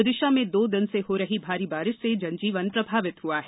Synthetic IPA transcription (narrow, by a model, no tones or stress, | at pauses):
ʊd̪ɪʃamẽd̪oːd̪ɪnseɦoɾɐɦibʱaːɾibaːɾɪʃsed͡ʒɐ̃nd͡ʒiːʋənpɾɐbʱaːʋɪt̪ɦuaɦɛ